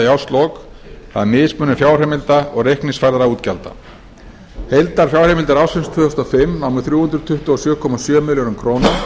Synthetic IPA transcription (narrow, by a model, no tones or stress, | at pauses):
jawst̪lɔk | θa̰ðmɪːðspmʏːnʏfjaːwr̥ɛmɪlt̪aɔɣrejhknɪnsfajɾðaɾauːt̪calt̪a̰ | hejlt̪aɾ̥fjawr̥ɛmɪlt̪ɪɾaːwsɪnst̪ʰvʏːhʏst̪ɔfɪmːnawmʏ̥θɾjuːhʏnd̪ɾʏt̪ʰʏht̪uɔsjœːkʰɔmasjœːmɪljɔnʏmkʰɾownɪ